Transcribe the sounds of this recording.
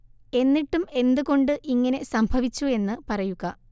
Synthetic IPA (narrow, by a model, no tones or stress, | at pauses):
e̞nːiʈːume̞nd̪uko̞ɳɖɨʔiŋːɐne̞sɐmbʱɐʋit͡ɕːue̞nːɨpɐrɐjuɣɐ